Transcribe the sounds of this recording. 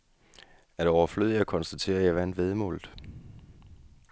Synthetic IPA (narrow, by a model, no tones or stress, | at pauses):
æɐd̥eɒʊɐfløð̰ˠjɑ̈ɪkʰɒ̽nsd̥æt͡sʰe̝̰ːɐjɑ̈ɪʋænʋeðˠmɔ̰̽ːld̥ˠ